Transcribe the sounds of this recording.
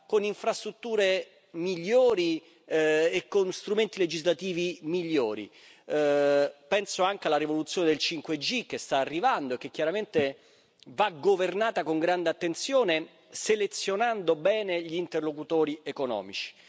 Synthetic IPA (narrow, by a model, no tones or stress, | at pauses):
koniɱfɾast̪ɾut̪ːuːɾe | miʎːoːɾi | ekːonst̪ɾument̪iled͡ʒizlat̪iːvimiʎːoːɾḭ | pɛnsoaŋk̟ealaɾivolut̪sjoːned̪elt͡ʃiŋkwed͡ʒik̟ːest̪aːrːivand̪oek̟ːekːjaɾament̪e | vaɡovernaːt̪akoŋɡɾand̪eat̪ːent̪sjoːne | selet̪sːjonand̪obɛːneʎiːnt̪erlokut̪oːɾiekonɔ̰ːmḭt͡ʃi̥